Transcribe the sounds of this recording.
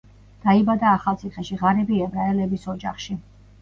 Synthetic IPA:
d̪̥aibad̪aːχalˠt̪sʰiχɛʃiʁaɾɛbiɛbɾaɛlɛbisɔd͡ʒa̰χʃi

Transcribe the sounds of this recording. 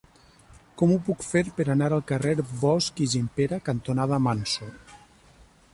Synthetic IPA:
kɔmupukfeɾpeɾanaɾalˠkareɾbɔskizimpeɾakant̪onaðamanso

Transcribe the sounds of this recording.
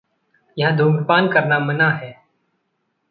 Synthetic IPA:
jɐɦd̪ʱuːɡpaːnkɐɾnamɐnaɦɛː

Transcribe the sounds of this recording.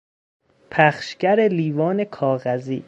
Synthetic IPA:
pʰæχʃcæɾeliːvɒːnekʰɒːɣæzḭː

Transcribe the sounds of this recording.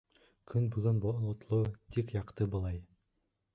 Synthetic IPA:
kʰɵnbɵɡɵnbolˠŏt̪lˠut̪ikjɑqt̪ɤbɤ̆lˠɑj

